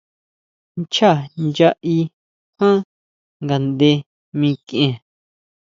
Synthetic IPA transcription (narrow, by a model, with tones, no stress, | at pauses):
nt͡ʃa˦˨nd͡ʒa˧ʔi˧ | hã˦ | ŋɡa˨nd̪e˧ | mĩ˧kʔẽ˧˨